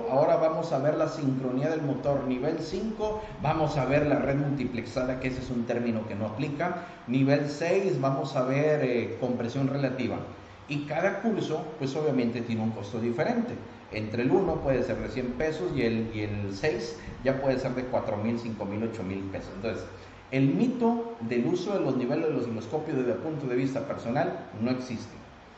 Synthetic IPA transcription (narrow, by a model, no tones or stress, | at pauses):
ao̞ɾaβamo̞saβe̞ɾlasiŋkɾo̞niaðe̞lmo̞t̪o̞ɾniβe̞lsiŋko̞ | bamo̞saβe̞ɾlare̞ðmult̪ipleksaðakeeseesunt̪e̞ɾmĩno̞kenoaplika | niβe̞lsejsβamo̞saβeɾeko̞mpɾe̞sjo̞nre̞lat̪iβa̰ | ikaðakuɾso̞pwe̞so̞βjamẽnt̪et̪je̞neuŋko̞st̪o̞ðife̞ɾe̞nt̪e̞ | ent̪ɾeluno̞pwe̞ðese̞ɾðesje̞mpe̞sosielelsejsɟ͡ʝapwe̞ð̞eseɾðekwat̪ɾo̞milsiŋko̞milo̞t͡ʃo̞milpe̞sosent̪onses | e̞lmit̪o̞ðe̞luso̞ðe̞lo̞zniβe̞lezðelosilosko̞pjozðezðelpunt̪oðe̞βist̪ape̞ɾso̞nalno̞e̞ksist̪e̥